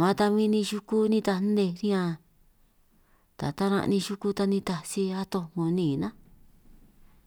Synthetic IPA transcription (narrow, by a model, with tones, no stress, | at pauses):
mã˧t̪a˧mĩ˧nĩ˧ʒu˧ku˦nĩ˦˧t̪a˧˦d̪e˧ɾĩ˦ã˧ | t̪a̰˨t̪a˦ɾã̰˧ʔnĩ˧ʃu˧ku˧t̪a˧nĩ˧t̪a˧si˧a˦t̪õ˧ŋũ˧nĩː˦˨nã˦